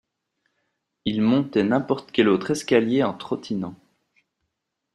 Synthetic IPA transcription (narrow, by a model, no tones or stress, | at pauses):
ilmɔ̃t̪ɛnɛ̃pɔʁt̪kʲɛlot̪χɛskʲaljeɑ̃t̪χɔt̪ʰinɑ̃